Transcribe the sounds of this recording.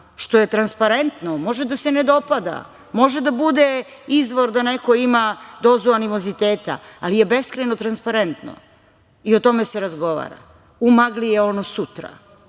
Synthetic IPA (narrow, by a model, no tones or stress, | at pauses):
ʃt̪o̞je̞t̪ɾanspaɾent̪nomo̞ʒed̪ase̞ned̪o̞pad̪a̰ | mo̞ʒe̞d̪abud̪e | izʋo̞ɾd̪aneko̞imad̪ozuanimo̞zit̪eːt̪a̰alije̞be̞skɾenot̪ɾanspaɾent̪no̰ | io̞t̪o̞me̞seɾazɡo̞ʋa̰ɾa̰ | umaɡlijeo̞nosut̪ɾa̰